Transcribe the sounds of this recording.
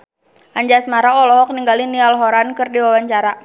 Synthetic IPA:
ʔaɲd͡ʒasmaɾaɔlɔɦɔk̚niŋɡalinialɦɔɾankɨrdiwawaɲt͡ʃaɾa

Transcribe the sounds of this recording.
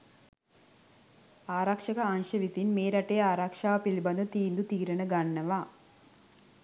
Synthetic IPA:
aːɾakʂɐkɐanʃɐʋit̪inmeːɾɐʈeːaːɾakʂaːʋɐpilibɐnd̪ut̪iːnd̪ut̪iːɾɐnɐɡɐɳːɐʋaː

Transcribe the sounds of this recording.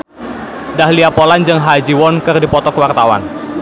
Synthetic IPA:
dahliapɔland͡ʒɨŋɦad͡ʒiwɔnkɨrdipɔt̪ɔkwart̪awa̰n

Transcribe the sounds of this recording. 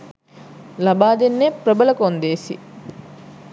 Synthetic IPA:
lɐbaːd̪enːeprəbɐlɐkond̪eːsḭ

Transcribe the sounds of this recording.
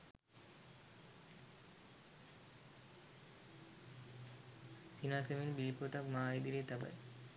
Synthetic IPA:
sinaːseminbilpot̪akmaːid̪iɾet̪aba̰j

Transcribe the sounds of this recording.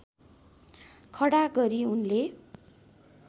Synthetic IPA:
kʰʌɽaɡʌɾiunle

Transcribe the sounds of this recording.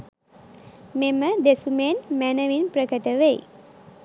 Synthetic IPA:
meməd̪esumenmænəʋinprəkəʈəʋej̰

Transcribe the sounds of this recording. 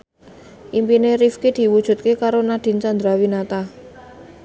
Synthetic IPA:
ʔimpineɾifkid̪̥i̤wud̥ʒ̥ṳt̪̚kekaɾonaɖ̪̥i̤nt͡ʃand̪ɾawinat̪a

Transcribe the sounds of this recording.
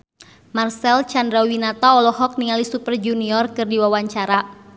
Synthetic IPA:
marsɛlt͡ʃandɾawinat̪aɔlɔhɔk̚niŋalisupərd͡ʒuniɔrkɨrdiwawaɲt͡ʃaɾa

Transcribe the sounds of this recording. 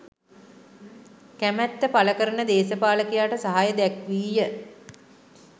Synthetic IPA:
kæmæt̪ːəpaləkəɾənəd̪eːsəpaːləkijaːʈəsaɦajəd̪ɛkʋiːjə

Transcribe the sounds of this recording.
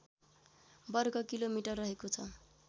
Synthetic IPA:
bʌrɡʌkilomiʈʌrːʌɦekot͡sʰʌ

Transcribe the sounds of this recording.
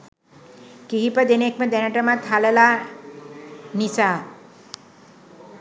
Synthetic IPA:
kiɦipəd̪enek̚məd̪ɛnəʈəmat̪ʰalela | nisa

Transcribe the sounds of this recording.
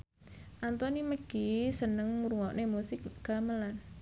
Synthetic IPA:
ʔant̪ɔniməɡ̥isənəŋmuɾuŋɔʔnemusɪk̚ɡ̥aməlan

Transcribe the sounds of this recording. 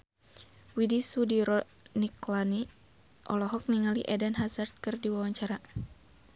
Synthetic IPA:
widisudiɾɔ | niklani | ʔɔlɔɦɔk̚niŋaliʔɛdɛnɦasart̪̚kɨrdiwawaɲt͡ʃaɾa

